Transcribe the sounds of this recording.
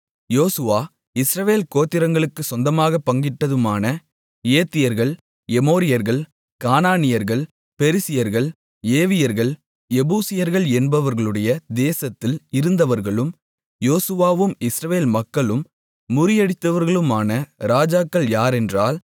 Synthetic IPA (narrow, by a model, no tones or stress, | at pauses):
joːsɯʋaː | ɪsɾɐʋeːlkoːt̪ːɪɾɐŋɡɐɭɯkːɯsɔnd̪ɐmaːɣɐpːɐŋɡɪʈːɐðɯmaːnɐ | eːt̪ːɪjɐɾɣɐɭ | ɛmoːɾɪjɐɾɣɐɭ | kaːnaːnɪjɐɾɣɐɭ | pɛɾɪsɪjɐɾɣɐɭ | eːʋɪjɐɾɣɐɭ | ɛbuːsɪjɐɾɣɐɭɛnbɐʋɐɾɣɐɭɯɽɐjɐd̪eːsɐt̪ːɪlɪɾɯnd̪ɐʋɐɾɣɐɭɯm | joːsɯʋaːʋɯmɪsɾɐʋeːlmɐkːɐɭɯmː | ʊɾɪjɐɽɪt̪ːɐʋɐɾɣɐɭɯmaːnɐɾaːd͡ʒaːkːɐɭjaːɾɛndraːl